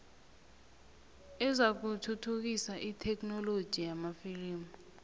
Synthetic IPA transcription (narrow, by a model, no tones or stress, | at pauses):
ɛzak̬utʰutʰuk̬isaʔitʰɛk̬nɔlod̥ʒ̥ʱijamafiliːmu